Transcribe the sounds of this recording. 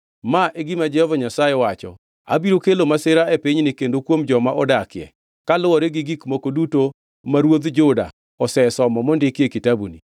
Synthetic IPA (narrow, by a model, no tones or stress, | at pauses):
maʔeɡimad͡ʒɛhɔvaɲasajewat͡ʃɔ̰ | a̰biɾokelomasɪɾaepiɲnɪkendokwomd͡ʒɔmaʔɔdakɪjɛ̰ | kalʊwɔɾeɡɪɡikmokoduto | maɾwod̪d͡ʒʊda̰ | ɔsɛsɔmɔmɔndɪkjekitabuni